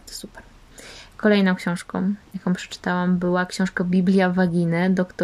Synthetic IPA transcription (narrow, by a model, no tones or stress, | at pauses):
t̪ɔ̥su̥pɛɾ | kɔlɛjnɔ̃w̃kɕɔ̃w̃ʂkɔ̃jakɔ̃w̃pʂɛ̥t͡ʂɘ̥t̪awambɘwakɕɔ̃w̃ʂkabʲiblʲjavaɡʲinɘd̪ɔkt̪